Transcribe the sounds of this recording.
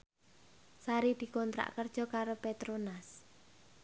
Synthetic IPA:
saɾid̪̥i̤kɔnt̪ɾa̰ʔkərd̥ʒ̥ɔ̤kaɾopet̪ɾonas

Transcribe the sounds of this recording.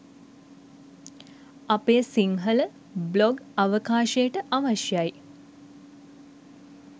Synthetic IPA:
apeːsiŋɦələ | bloɡaʋəkaːʃejəʈəʔaʋaʃjaj

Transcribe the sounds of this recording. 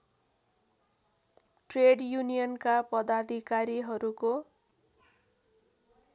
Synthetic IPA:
ʈreɖjunijʌnkapʌd̪ad̪ʱikaɾiɦʌɾuko

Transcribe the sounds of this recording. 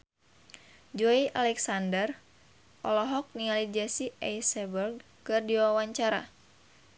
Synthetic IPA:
d͡ʒɔiʔalɛksandər | ʔɔlɔɦɔk̚niŋalid͡ʒasiʔɛjsɛbərɡ | kɨrdiwawaɲt͡ʃaɾa̰

